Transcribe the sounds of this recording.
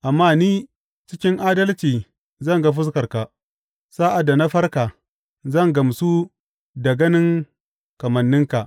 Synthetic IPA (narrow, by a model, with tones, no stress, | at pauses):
ʔa˨mːaː˦niː˦ | t͡ʃɪ˦kʲɪ˦ŋʔaː˦dɐ˦lt͡ʃiː˨ | zɐ˦ŋɡa˦ɸ̬ʊ˦s̬kɐ˨rka˨ | saː˦ʔa˨dːa˨na˦ɸɐ˦rka˨ | zɐ˦˨ŋɡɐ˨msu˦ | da˨ɡɐ˦nɪ˦ŋ | kɐ˨mɐ˨nːɪ˦ŋka˨ʔ